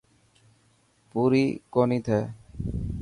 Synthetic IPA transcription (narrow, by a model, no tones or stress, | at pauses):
puɾikɔnit̪ʰɛ